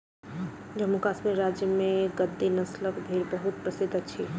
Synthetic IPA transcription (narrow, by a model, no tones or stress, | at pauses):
d͡ʒəmukasmeɾad͡ʒjəmẽɡəd̪ːinəsləkbʱeɾbəɦut̪̚pɾəsɪd̪ʱət͡ʃʰi